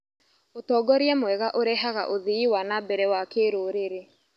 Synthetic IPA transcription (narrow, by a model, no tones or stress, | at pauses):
otɔːɡɔɾjɛmwɛɣaʔoɾɛɦaɣa̰ʔoðiiwanabɛɾɛwakeɾoːɾeɾe